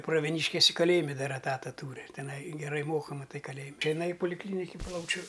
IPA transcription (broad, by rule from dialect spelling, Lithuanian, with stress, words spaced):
prɐʋʲiɛˈnʲiːʃʲkʲɪsʲɪ kɐˈlʲeːjɪmʲɛ ˈdɐr ɛˈtɑːtɐ ˈtuːrʲɪ tʲɪˈnɐɪ ɡʲɛˈrɐɪ ˈmoːkɐ mɐˈtɐɪ kɐˈlʲeːjɪmʲ tɐɪ jɪˈnɐɪ ɪ poːlʲɪkˈlʲiːnʲɪkʲɪ ˈplˠɐʊt͡ʃʲʊ